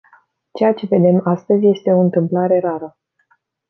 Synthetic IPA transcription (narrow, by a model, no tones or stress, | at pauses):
t͡ʃe̞jat͡ʃe̞ve̞d̪e̞mast̪əzʲje̞st̪e̞o̞ɨnt̪ɨmplaɾe̞ɾaɾə